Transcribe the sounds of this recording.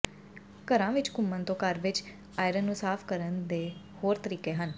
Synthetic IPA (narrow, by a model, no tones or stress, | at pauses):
kəɾãːʋɪt͡ʃkʊmːənt̪õːkəɾʋɪt͡ʃ | aːɪɾənːũːsaːpʰkəɾənd̪eː | hoːɾt̪əɾiːkeːɦən